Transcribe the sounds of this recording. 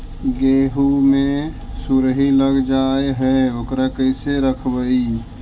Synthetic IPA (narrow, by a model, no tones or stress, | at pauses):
ɡeɦumesuɾɦiləɡd͡ʒaeɦɛokɾakəɪseɾəkʰbəi